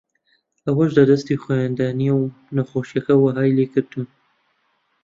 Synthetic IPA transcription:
awaʒd̪əd̪ast̪exaand̪ɑniaw | naxoʃakawaɦɑjlekəɾt̪ʰum

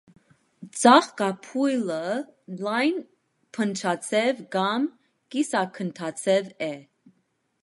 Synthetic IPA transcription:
d͡zɑχkɑpʰujləlɑjn | pʰənt͡ʃʰɑt͡sʰɛvɡɑm | kisɑkʰənt̪ʰɑt͡sʰɛvɛ

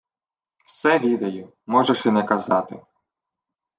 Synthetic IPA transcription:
wsɛʋʲid̪ɐjʊ | mɔʒeʃɪnɛkɐzɑt̪ɪ

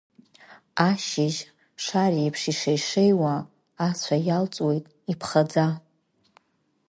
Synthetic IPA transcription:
aʃɪʒ | ʂariipʰʂiʂejʂejwaː | t͡sʷʰajalt͡sʼwe̞jtʼ | ipʰχad͡za

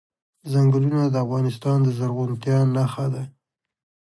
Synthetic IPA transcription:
zaŋɡəlunad̪əafɣɑnɪst̪ɑnd̪əzaɾɣunt̪jɑnaxad̪a

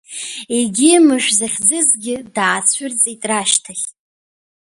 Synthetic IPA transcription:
eɡʲɪmɨʃʷᶣzaχʲd͡zɨzɡʲɪdaːt͡sʷʰʏrt͡sʼitʼraʃtʰaχʲʼ

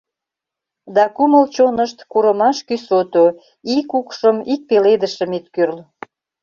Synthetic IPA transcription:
d̪ɑkuməlt͡ɕonəʃt̪kuɾəmɑʃkysot̪o | ikukʃəmik̚peled̪əʃə̆mit̪̚kyrl

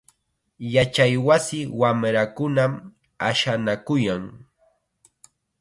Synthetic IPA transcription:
jat͡ʃajwasɪwamɾakʊnam | aʃanakʊjaŋ

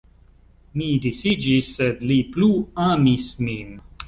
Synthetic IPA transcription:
nidisid͡ʒisɛdlipluamismĩm

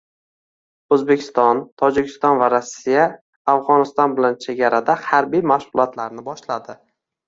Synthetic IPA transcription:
ɵzbekʲʰɪ̥st̪ɒnt̪ʰɒd͡ʒɪkʲʰɪst̪ɒnvaɾasːijaː | fʁɒnɪst̪ɒnbɪlant͡ʃʰe̞ɡʲaɾad̪ahaɾbijmaʃʊlˠɒt̪laɾnɪbɒʃlad̪ɪ

